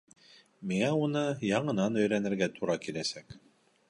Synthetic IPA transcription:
miŋæunɤjɑɴɤ̆nɑnɵ̆jɾænɘ̆ɾɡæt̪ʰuɾɑkilæsæk

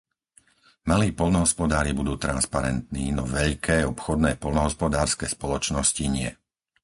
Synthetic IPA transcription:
maliːpɔlnɔɦɔspɔd̪aːɾibud̪uːt̪ɾanspaɾɛ̰nt̪niːnɔʋɛʎkʰɛːɔpxɔd̪nɛːpɔlnɔɦɔspɔd̪aːɾskɛːspɔlɔt͡ʃnɔsciɲɪɛ

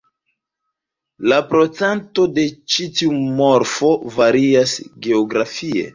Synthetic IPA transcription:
lapɾo̞t͡sento̞de̞t͡ʃitiumo̞ɾfo̞vaɾiasɡe̞oɡɾafie̞̰

